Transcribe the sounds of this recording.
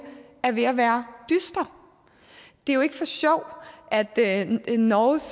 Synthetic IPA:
æɐʋe̝æʋæːɐd̥ysd̥ɐ | d̥e̝æjo̝e̝ɡ̥əfɒ̽ɕɒʊ̰ʔæd̥nɒːs

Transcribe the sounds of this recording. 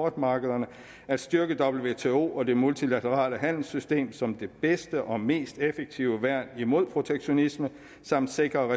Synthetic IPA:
ɒːd̥mɑ̈ːɡ̥əð̞ˠɐnə | æd̥sd̥ɶɐɡ̥əd̥ɒ̽b̥l̩ʋe̝t͡sʰe̝ːo̝̰ːɒ̽d̥e̝mult͡sʰilæt͡sʰəʁɑ̰̈ːləɦæn̰l̩sysd̥e̝̰ːmsɒ̽md̥e̝b̥esd̥əʔɒ̽me̝̰ːsd̥efeɡ̥̚t͡sʰiʊəʋæɐ̰nimo̝ð̞̰ˠpʰʁo̝t͡sʰeɡ̥ɕo̝nismə | sɑ̈m̰d̥se̝ɡ̥ʁɐʁɛ

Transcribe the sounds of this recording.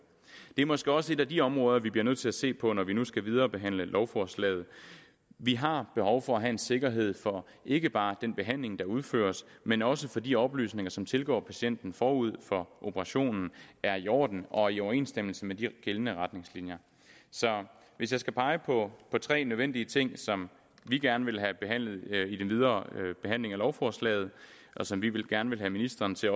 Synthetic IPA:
d̥e̝æɐmɒ̽sɡ̥eɒ̽səe̝dɾæd̥iɒ̽mʁɔ̽ːðˠɐʋibliɐnøð̰ˠt͡sʰe̝læse̝̰ːpʰɒ̽nɒʋinusɡ̥æʋið̞ˠɐːb̥e̝ɦæn̰ləlʔɒʊfɒslɛ̰ːɪð̞̩ˠ | ʋiɦɑ̈b̥e̝hɒʊfɒ̽æɦæe̝nse̝ɡ̥ɐɦe̝ð̞̰ˠfɒ̽ | ʔe̝ɡ̥əb̥ɑ̈ːd̥enb̥e̝ɦæn̰le̝ŋd̥ɑ̈uð̞ˠfø̰ːɐs | menɒ̽səfɒ̽d̥iɒ̽b̥ly̰ːsne̝ŋɐsɒ̽mt͡sʰe̝lɡ̥ɒ̰ːpʰæɕen̰d̥n̩fɒːuð̞̰ˠfɒ̽ʔo̝pʰəʁɑ̈ɕo̝̰ːnn̩æɐiɒ̰ːd̥n̩ʔɒ̽iɒʊɐe̝̰ːnsd̥em̰l̩səmed̥iɡ̥elənəʁäd̥ne̝ŋslinjɐ | sɒ̽ | ʋe̝s̬jɑɪsɡ̥æpʰɑ̈ɪəpʰɒ̽pʰɒ̽t͡sʰʁɛ̰ːnøðˠen̰d̥iət͡sʰe̝ŋ̰sɒ̽m | ʋiɡ̥æɐnəʋe̝lɦæb̥e̝ɦæn̰lð̞̩ˠid̥enʋiðˠɐːb̥e̝ɦæn̰le̝ŋælɒʊfɒːslɛ̰ːɪð̞̩ˠ | ʔɒ̽sɒ̽mʋiʋe̝lɡ̥æɐnəʋe̝lɦæminisd̥ɐːnt͡sʰe̝

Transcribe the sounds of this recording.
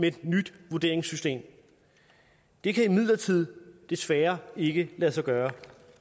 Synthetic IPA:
meed̥nyd̥ʋuɐde̝ɐeŋsysd̥e̝̰ːm | d̥e̝kʰæimið̞̰ˠlɐt͡sʰið̞̰ˠd̥e̝sʋæːɐe̝ɡ̥əlæsɑɪɡ̥ɶːɐ

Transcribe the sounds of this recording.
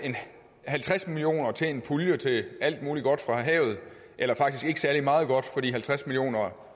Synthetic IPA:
e̝n | hælt͡sʰʁasmilio̝̰ːnɐt͡sʰe̝enpʰuljət͡sʰe̝æl̰d̥̚muːliɡ̥ɒ̽d̥fʁɑ̈ɦɛ̰ːʊð̞̩ˠ | ʔelɐfɑ̈ɡ̥̚isɡ̥e̝ɡ̥ə̥sæɐlimɑ̈ːð̞̩ˠɡ̥ɒ̽d̥fɒ̽dḭːɦælt͡sʰʁasmilijo̝̰ːnɐ

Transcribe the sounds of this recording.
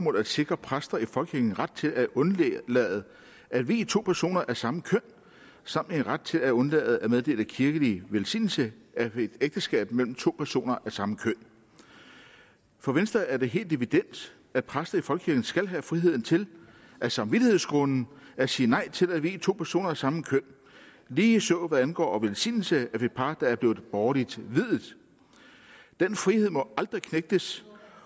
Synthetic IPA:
mɔð̩̰ˠæd̥se̝ɡ̥ʁɐpʰʁasd̥ɐifɒ̽lɡ̥ʰiɐɡ̥n̩ʁad̥̚t͡sʰe̝læʔɔ̽nlɛ̰ːð̩ˠ | æd̥ʋiːt͡sʰo̝̰ːpʰæɐso̝̰ːnɐʔæɐsɑ̈məkʰœn̰ | sɑ̈m̰n̩enʁad̥̚t͡sʰe̝læɔ̽nlɛ̰ːð̞̩ˠæmeðˠde̝̰ːləkʰiɐɡ̥əliʋelsḭːnl̩səæed̥eɡ̥d̥əsɡ̥ɛ̰ːb̥̚mel̰m̩t͡sʰo̝̰ːpʰæɐso̝̰ːnɐʔæɐsɑ̈məkʰøn̰ | fɒ̽ʋensd̥ʁɐæɐd̥e̝ɦe̝̰ːld̥iʋid̥en̰d̥ | æd̥̚pʰʁasd̥ðɐifɒlɡ̥ə̥kʰiɐ̥n̩sɡ̥ælɦæfʁiɦe̝ð̰ˠn̩t͡sʰe̝l | ʔæsɑ̈mʋid̥ihe̝̰sɡ̥ʁɔnn̩æsiːnɑ̈ɪ̰t͡sʰe̝læʋḭːt͡sʰo̝̰ːpʰæɐso̝̰ːnɐæsɑ̈məkʰøn̰ | liːsɔːʋæðˠænɡ̥ɒ̰ːɒʋelsḭːnl̩səæfe̝d̥̚pʰɑ̈ːd̥ɑ̈æɐb̥le̝ːð̩ˠb̥ɒːlid̥ʋið̰ˠð̩ˠ | d̥enfʁihe̝ð̰ˠmɒ̽ɑ̈ld̥ʁikʰneɡ̥̚d̥əs

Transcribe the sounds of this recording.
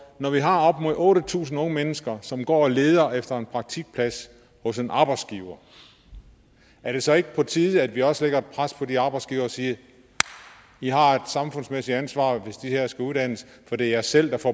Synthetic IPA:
nɒʋiɦɑ̈ɒ̽b̥moðˠɔ̽ːɾət͡sʰṵːs̬n̩ɔ̽ŋəmenəsɡ̥ɐsɒ̽mɡ̥ɒ̰ːle̝ːð̞ˠɐefd̥ɐe̝npʰʁɑ̈ɡ̥̚t͡sʰiɡ̥̚pʰlæs | hɔ̽se̝nʔɑ̈ːb̥ɑ̈ɪd̥sɡ̥iːʊɐ | ʔæɐɾ̥e̝sɒ̽e̝ɡ̥əpʰɒ̽t͡sʰiːðˠæd̥ʋiɒ̽səleɡ̥ɐe̝d̥̚pʰʁaspʰɒ̽diɑ̈ːb̥ɑ̈ɪdsɡ̥iːʊɐːsiːɐ | iɦɑ̈e̝d̥sɑ̈mfɔ̽nsmesid̥ænsʋɑ̰̈ːʋe̝sd̥iheɐ̰sɡ̥æuðˠd̥æn̰əs | fɒd̥e̝ɐjæsel̰d̥ɑfɒ

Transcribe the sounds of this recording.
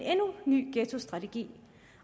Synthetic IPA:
nenuny̰ːɡ̥eːt͡sʰo̝sd̥ʁɑ̈t͡sʰeɡ̥ḭː

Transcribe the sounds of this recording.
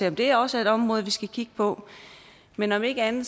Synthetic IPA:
e̝ɒmd̥e̝æɐɒ̽se̝ɾ̥ɒ̽mʁɔ̽ːð̞̩ˠʋisɡ̥ækʰiɡ̥əpʰɒ̽ | menɒ̽me̝ɡ̥əænð̩ˠs

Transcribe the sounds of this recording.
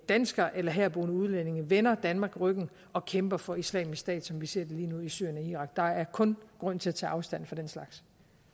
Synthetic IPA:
d̥ænsɡ̥ɐʔelɐɦæɐ̰b̥o̝ːnəuð̞ˠlene̝ŋʋenɐd̥ænmɑ̈ɡ̥ʁœɡ̥n̩ | ɒ̽kʰemb̥ɐfɒ̽islɛ̰ːmissd̥ɛ̰ːd̥sɒ̽mʋise̝ɐ̰d̥eliːnuisy̰ɐ̰jenɒiːʁɑ̈ɡ̥d̥ɑ̈æɐkʰɔ̽nɡ̥ʁɔ̽n̰t͡sʰe̝læt͡sʰɛ̰ːʔɑ̈ʊsd̥æn̰fɒ̽d̥enslɑ̈ɡ̥s

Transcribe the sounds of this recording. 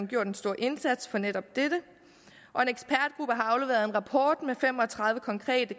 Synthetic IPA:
nɡ̥jo̝ɐ̰d̥ensd̥o̝ɐ̰ʔe̝nsæd̥sfɒ̽neɾ̥ɒ̽b̥̚d̥ed̥ə | ʔɒ̽e̝neɡ̥sb̥ʰæɐd̥ɡ̥ʁub̥əɦɑ̈ɑ̈ʊleʋeːɐðˠe̝nʁɑ̈pʰɒ̰ːd̥mefem̰ɒt͡sʰʁɑ̈ð̞ˠʋəkʰɒ̽ŋkʰʁɛ̰ːd̥ə

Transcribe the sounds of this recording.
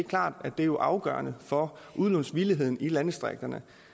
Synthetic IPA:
ɡ̥kʰlɑ̰̈ːd̥æd̥e̝jo̝ʔɑ̈ʊɡ̥ɶ̰ːɐnəfɒ̽ʔuðˠlɔnsʋiliɦe̝ð̞̰ˠn̩ilænəsd̥ʁaɡ̥̚d̥ɐnə

